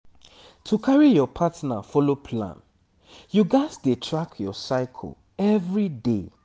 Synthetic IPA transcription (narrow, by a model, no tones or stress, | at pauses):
tʰukʰaɹijɔpʰatna̰fɔlopʰlã̰n | juɡaɪzdetʰɹakʰjɔsaɪkʰɔ̰l | ɛvɹidḛ